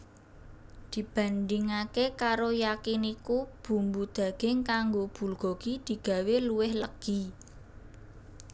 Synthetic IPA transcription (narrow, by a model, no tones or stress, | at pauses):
d̪̥i̤b̥ä̤nd̪iŋakekaɾojakinikub̥ṳmbud̪̥ä̤ɡ̥ɪŋkaŋɡob̥ṳlɡ̥ɔɡ̥id̪̥i̤ɡ̥ä̤weluwɪhləɡ̥i